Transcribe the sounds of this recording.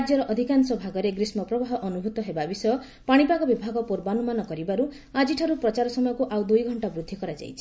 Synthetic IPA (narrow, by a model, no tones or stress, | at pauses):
ad͡ʒjɔɾɔʔɔd̪ʱikansɔbʱaɡɔɾeɡɾismɔpɾɔbaɦɔʔɔnubʱut̪ɔɦebabisɔjɔ | paɽ̃ipaɡɔbibʱaɡɔpuɾbanumanɔkɔɾibaɾu | ad͡ʒiʈʰaɾupɾɔt͡ʃaɾɔsɔmɔjɔkuʔawd̪ujɡʱɔɳʈabɾud̪ʱːikɔɾad͡ʒa̰jt͡ʃʰi̥